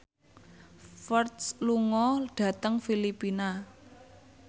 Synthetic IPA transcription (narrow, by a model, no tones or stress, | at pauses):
fərt̪sluŋɔɖ̥ä̤t̪əŋfilipina